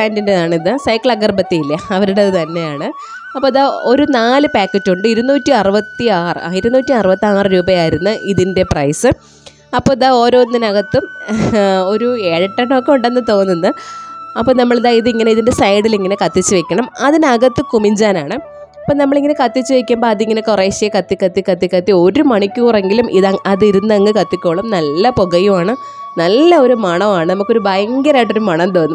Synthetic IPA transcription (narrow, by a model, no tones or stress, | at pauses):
aːndindenaːɳiðɨsɐjkːɐɭɐɡɐrbɐt̪ːijilːɐɐʋɐɾuɽeɐðɨt̪ɐnːe̞jaːɳɨ | ɐpːoːiðaːo̞ɾunaːlɨpaːkːɐt͡ɕːuɳɖɨiɾunuːtːiɐrɨʋɐt̪ːiaːrɨ̰iɾunːuːtːiɐrɨʋɐt̪ːiaːrɨɾuːbɐjaːjiɾunːɐʔiðinde̞prɐjsɨ | ɐpːoːiðaːo̞ːɾo̞ːnːinɐɣɐt̪ːɨ | o̞ɾueːɻɐʈːɐɳokːe̞uɳɖe̞nːɨt̪o̞ːnːunːɐɐpːoːnɐmːɐɭðaːiðɨiŋːɐneiðinde̞sɐjɽiliŋːɐnekɐt̪ːit͡ɕːɨʋekʲːɐɳɐmɐðinɐɣɐt̪ːɨkumiɲd͡ʑaːnaːɳɨ | ɐpːoːnɐmːɐɭiŋːɐne̞kɐt̪ːit͡ɕːɨʋekʲːumboːɐðiŋːɐnekureːɕijɐkɐt̪ːikːɐt̪ːikɐt̪ːikːɐt̪ːio̞ɾumɐɳikʲːuːreŋɡilumʔiðɐʔɐðiɾunːɐŋːɨkɐt̪ːikʲːoːɭɐmnɐlːɐpoɣɐjumaːɳɨ | nɐlːɐo̞ɾumɐɳɐmaːɳɨnɐmukːoɾubɐjɐŋɡɐɾaːjʈːoɾumɐɳɐt̪o̞ːnːɨm